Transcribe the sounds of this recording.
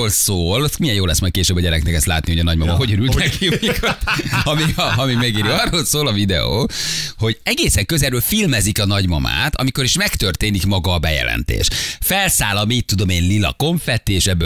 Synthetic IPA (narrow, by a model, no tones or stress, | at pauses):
oːlsoːlot̪mijɛnjoːlɛsmɒjt̪̚keːʃøːbːɒɟɛɾɛknɛkɛst̪la̰ːt̪niho̞ɟɒnɒɟmɒmɒɦo̞ɟøɾylt̪nɛkimikɒt̪ɒmiɒɒmimɛɡiːɾiɒrːoːlsoːlɒvid̪ɛ̰o̰ːho̞ɟɛɡeːsɛŋkøzɛɾøːlfilmɛzikɒnɒɟmɒ̰ma̰ːt̪ʰɒ̰miko̞ɾiʃmɛkt̪ørt̪eːnikmɒɡɒːbɛjɛ̰lɛ̰nt̪ḛːʃfɛlsaːlɒmiːt̪ːud̪o̞meːnlilɒ̰ko̞ɱfɛt̪ːieʃɛbːø